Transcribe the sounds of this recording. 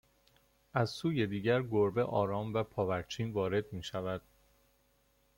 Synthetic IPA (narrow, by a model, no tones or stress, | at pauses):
ʔæzsuːje̞d̪iːɟæɾɡoɾbe̞ʔɒːɾɒːmvæpʰɒːvæɾt͡ʃʰiːnvɒːɾe̞d̪̚miːʃævæd̪̥